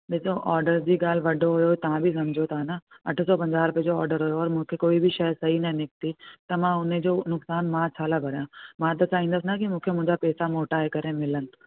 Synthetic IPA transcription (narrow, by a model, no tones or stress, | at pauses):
besoʔɔːɾɖəɾd͡ʑiːɡaːl̤ʋɐɖʱoɦʊjot̪ɐʋ̤ãbʱisɐmd͡ʑʱot̪ʰanaɐʈʰʊ̆sɔːpɐ̃ɲd͡ʑaːɾʊped͡ʑoɔːɾɖəɾɦʊjoɔːɾmũːkʰekoːibʱɪʃɐjsɐɦinɐnɪk̚t̪it̪ɐmãʊned͡ʑoːnʊksaːnmãt͡ɕʰaːlabʱɐɾjãmãt̪ɐt͡ɕaːĩːnd̪əs̬ɪnakimũːkʰemʊ̃ɦɪ̃ɲd͡ʑapɛːsamoːʈaɦekɐɾẽmɪlənɪ̆